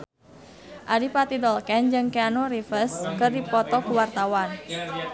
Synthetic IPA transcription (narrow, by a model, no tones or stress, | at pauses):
ʔaɾipat̪id̪ɔlkɛnd͡ʒɨŋkeanoɾifərskərdipɔt̪ɔkuwart̪awan